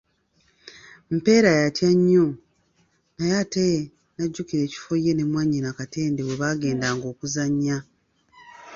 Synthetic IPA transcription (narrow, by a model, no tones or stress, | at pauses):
m̩pe̞ːɾajatjaɲːo | najate | naɟːukiɾe̞ːci̥fojːe̞ne̞mwaːɲinakate̞ːndewe̞βaːɡe̞ːndaːŋɡo̞ːkuzaɲːa